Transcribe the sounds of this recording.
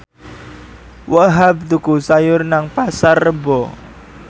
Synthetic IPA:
waɦab̚t̪ukusajʊrnaŋpasarːəbɔ

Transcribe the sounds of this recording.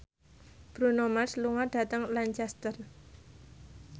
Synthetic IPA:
b̥ɾunomasluŋaɖ̥a̤t̪əŋlant͡ʃast̪ər

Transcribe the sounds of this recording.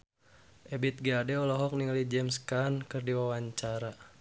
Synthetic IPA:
ʔɛbit̪̚ɡadɛɔlɔɦɔk̚niŋalid͡ʒɛmskankərdiwawaɲt͡ʃaɾa

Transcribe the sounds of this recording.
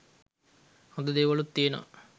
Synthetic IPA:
hõd̪ud̪eːʋɐɭut̪ːieno̰

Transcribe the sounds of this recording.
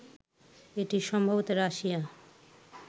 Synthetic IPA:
eʈiʃɔmbʱobot̪oɾaʃija

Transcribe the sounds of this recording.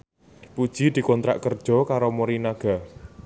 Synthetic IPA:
pud̥ʒ̥i̤d̪̥i̤kɔnt̪ɾa̰ʔkərd̥ʒ̥ɔ̤kaɾomoɾinaɡ̥a̤

